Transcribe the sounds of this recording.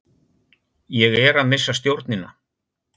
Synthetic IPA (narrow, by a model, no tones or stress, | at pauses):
jɛɣɛɾaðmɪsːast̪jowɾt̪nɪnːa̰